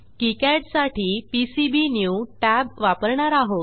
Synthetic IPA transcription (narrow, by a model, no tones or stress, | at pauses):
kikɛʈsaʈʰiːpisibinjuʈæbʋapəɾɳaɾaɦot̪